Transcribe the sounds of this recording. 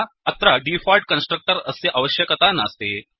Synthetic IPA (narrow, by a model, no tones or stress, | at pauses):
ət̪ɾaɖifɔlʈ̚kənsʈɾək̚ʈəɾəseʔaʋəɕjəkət̪anast̪e